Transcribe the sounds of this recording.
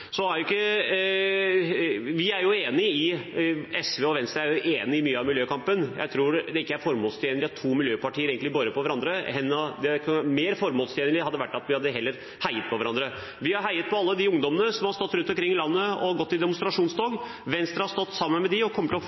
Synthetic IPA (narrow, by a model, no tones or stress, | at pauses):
sɔæɾjʊɪkːə | ʋɪæɾjʊeːnɪɪ | ɛsʋeːɔʋɛnst̪ɾəæɾjʊʔeːnɪɪmyːəɑʋmɪljøːkʰɑmpənjæ̰ɪt̪ʰɾuːɾd̪ɛɪkːəæɾfɔɾmoːlst̪ʰjeːnəlɪɑt̪ʰuːmɪljøːpɑʈʰiːəɾeːɡəɪbɔɾəpʰɔʋæɾɑnd̪ɾəɛnːɔd̪ɛkʰmeːɾfɔɾmoːlst̪ʰeːnəlɪɑd̪ːəʋæʈːɑt̪ʋɪhɑd̪ːəɦɛlːəɾ | hæɪət̪̚pʰɔʋæɾɑnd̪ɾə | ʋɪhɑɾɦæɪət̪̚pʰɔɑlːəd̪ɪʊŋd̪ɔmənəsɔmhɑɾst̪ɔt̪ːɾʉnt̪ɔmkʰɾɪŋːɪlɑnːəɔɡɔt̪ːɪd̪ɛmʊnst̪ɾɑʂuːnsd̪oːɡ | ʋɛnst̪ɾɑhɑɾst̪ɔt̪ːsɑmːənmɛd̪ɪɔkʰɔmːət̪ɔ